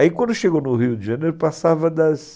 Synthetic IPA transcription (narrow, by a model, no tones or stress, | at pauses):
aikwɐ̃nd̪ʊʃeɡonʊɦiʊd̪ɪʒɐ̃neɾʊpasavɐd̪ɐs